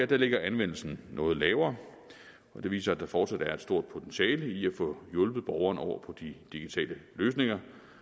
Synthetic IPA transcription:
jæd̥æle̝ɡ̥ɐænʋen̰l̩sn̩nʔɔ̽ːð̩ˠlɛːʊɐː | ɒ̽d̥eʋḭːsɐæd̥æfɒːd̥sæd̥æɐe̝d̥sd̥o̝ɐ̰d̥̚pʰo̝t͡sʰenɕɛ̰ːliæfɔ̽jɔ̽lb̥ð̞̩ˠb̥ɒʊɐːnɒʊ̰ɐpʰɒ̽d̥id̥iɡ̥it͡sʰɛ̰ːləløːsne̝ŋɐ

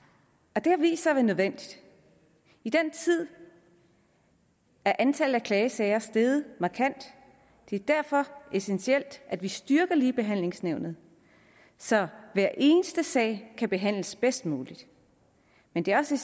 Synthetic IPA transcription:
ɒ̽d̥e̝æʋḭːsɐʋænøð̞ˠʋen̰d̥id̥ | id̥en̰t͡sʰið̞̰ˠ | æɐʔænt͡sʰæl̩ˠækʰlɛːɪəsɛɪɐsd̥eːðˠəmɑ̈ːkʰæn̰d̥ | e̝æɐd̥æɐ̰fɒ̽ʔe̝sensiel̰d̥ʔæd̥ʋisd̥yɐɡ̥ɐliːb̥e̝ɦæn̰le̝ŋsneʊnð̞̩ˠ | sɒ̽ʋæɐ̰ʔe̝ːnəsd̥əsɛ̰ːɪkʰæb̥e̝ɦæn̰ləsb̥esd̥muːlid̥ | mend̥e̝æɐɒ̽se

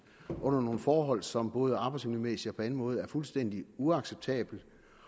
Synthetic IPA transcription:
ʔɔ̽n̰ɐno̝ːn̩fɒːɦɒ̽l̰sɒ̽mb̥ɔ̽ːð̞ˠəɑ̈ːb̥ɑ̈ɪdsmulimesiɒpʰɒ̽æn̩mɔ̽ːð̞̩ˠæɐfulsd̥en̰d̥iuɑ̈ɡ̥seb̥̚t͡sʰɛ̰ːb̥l̩

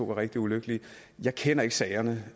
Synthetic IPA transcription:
o̰ʋɑ̈ʁeɡ̥d̥iuløɡ̥əli | jɑ̈ɪkʰenɐe̝ɡ̥sɛɪɐnə

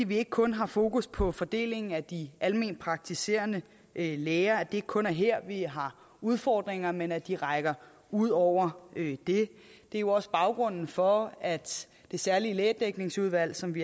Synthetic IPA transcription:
iʋie̝ɡ̥əkʰɔ̽nɦɑ̈fo̝ːkuspʰɒ̽fɒ̽d̥e̝̰ːle̝ŋn̩æd̥iʔælme̝̰ːn̥̚pʰʁɑ̈ɡ̥̚t͡sʰise̝̰ːɐnə | leːɐæd̥e̝e̝ɡ̥ə̥kʰɔ̽næɐɦeɐ̰ʋiɦɑ̈ | uð̞ˠfɒ̰ːd̥ʁeŋɐmenæd̥iʁɑ̈ɪɡ̥ɐ | uð̞̰ˠɒʊ̰ɐd̥e̝d̥e̝ɐjo̝ɒ̽sb̥ɑ̈ʊɡ̥ʁɔ̽n̰n̩fɒ̽æd̥ | d̥e̝sæɐlileːɐd̥eɡ̥ne̝ŋsuð̞ˠʋæl̰sɒ̽mʋi

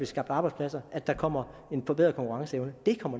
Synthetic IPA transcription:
ʋisɡ̥ɑ̈b̥̚d̥ɑ̈ːb̥ɑɪdspʰlæsɐʔæd̥ɑ̈kʰɒ̽m̰ɐe̝nfɒbeð̰ˠð̩ˠkɒŋkʰuʁɑ̈ŋsəeʊnəd̥e̝kʰɒ̽m̰ɐ

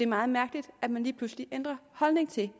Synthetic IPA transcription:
e̝ɐmɑ̈ːð̞̩ˠmæɐɡ̥lid̥æd̥mænliːpʰlusliʔend̥ʁɐhɒ̽lne̝ŋt͡sʰe̝

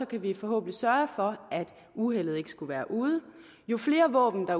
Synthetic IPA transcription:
ɒ̽kʰæʋifɒ̽ɦo̰̽ːb̥ən̩lisɶɐfɒ̽ʔæd̥ | uɦel̰ð̩ˠe̝ɡ̥ə̥sɡ̥uʋæːɐʔuːðˠə | jo̝fle̝ːɐʋɔ̰̽ːb̥n̩d̥ɑ̈

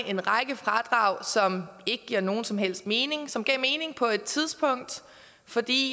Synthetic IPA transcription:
ʔe̝nʁɑ̈ɡ̥əfʁɑ̈d̥ʁɑ̈ʊ̰sɒ̽me̝ɡ̥əɡ̥iɐ̰no̝ːn̩sɒ̽mɦel̰sd̥me̝ːne̝ŋsɒ̽mɡ̥ɛ̰ːme̝ːne̝ŋpʰɒ̽e̝d̥̚t͡sʰið̞ˠsb̥ʰɔ̽ŋ̰d̥ | fɒ̽d̥ḭː

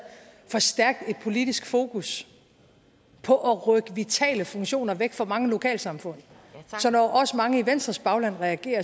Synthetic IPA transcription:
fɒ̽sd̥æɐɡ̥̚d̥e̝d̥̚pʰo̝lid̥isɡ̥fo̝ːkʰus | pʰɒ̽ʔɒʁœɡ̥əʋit͡sʰɛ̰ːləfɔ̽ŋɕo̝̰ːnɐʋeɡ̥fɒ̽mɑ̈ŋəlo̝kʰɛ̰ːlsɑ̈mfɔ̽n̰ | sɒ̽nɒʔɒ̽səmɑ̈ŋəiʋen̰sd̥ʁɐsb̥ɑ̈ʊlæn̰ʁɛæɡ̥e̝̰ːɐ

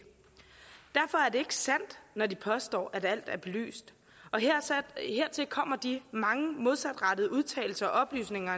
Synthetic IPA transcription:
d̥æɐfɒ̽æɐde̝e̝ɡ̥əsæn̰d̥nɒdipʰɒ̽sd̥ɒ̰ːʔædæl̰d̥æɐb̥e̝ly̰ːsd̥ | ɒ̽ | heɐ̰t͡sʰe̝lkʰɒ̽m̰ɐd̥imɑ̈ŋəmo̝ð̞ˠsæd̥ʁɑ̈d̥əð̞̩ˠəuð̞ˠt͡sʰɛ̰ːl̩sɐɒ̽ʔɒ̽b̥ly̰ːsne̝ŋɐ

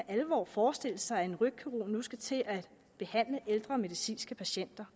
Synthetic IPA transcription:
æʔælʋɒ̰ːfɒːsd̥e̝l̰əsɑ̈ɪæe̝nʁy̥kʰyʁo̝̰nːusɡ̥æt͡sʰe̝ʔæ̥ | b̥e̝hæn̰ləʔeld̥ʁɐme̝ðisḭːnsɡ̥əpʰæɕen̰d̥ɐ

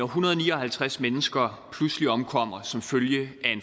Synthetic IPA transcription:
ɒɦunɐð̞ˠɒniːɒhælt͡sʰʁasmenəsɡ̥ɐpʰlusliɒ̽mkʰɒ̽m̰ɐsɒ̽mføljəæe̝n

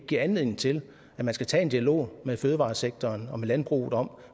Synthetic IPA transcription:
ɡ̥ḭɐænlið̰ˠne̝ŋ̩t͡sʰe̝l | æmænsɡ̥æt͡sʰɛ̰ːe̝nd̥iælo̝̰ːmeføːð̞ˠəʋɑ̈ːseɡ̥̚t͡sʰɒːnɒ̽melænb̥ʁṵːð̩ˠɒ̽m

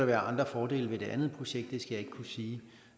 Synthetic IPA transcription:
ɑʋæːɐʔɑ̈nd̥ʁɐfɒːde̝̰ːlʋe̝d̥e̝ʔænð̞̩ˠpʰʁo̝ɕeɡ̥d̥ːe̝sɡ̥æjɑ̈e̝ɡ̥kʰusiː

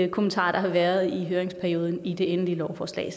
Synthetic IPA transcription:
kʰo̝mənt͡sʰɑ̰̈ːd̥ɑ̈ɦɑ̈ʋæɐð̞ˠiɦøːɐeŋspʰæɐjo̝ːð̞ˠn̩id̥e̝enlilɒʊfɒːslɛ̰ːɪ

